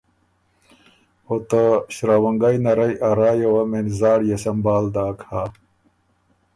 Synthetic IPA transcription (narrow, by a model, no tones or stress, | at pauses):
ot̪ɐɕɾawɐŋɡɐjnɐɾɐjʔɐɾaːjowɐmenzaːɽjesɐmbaːld̪aːkʰaː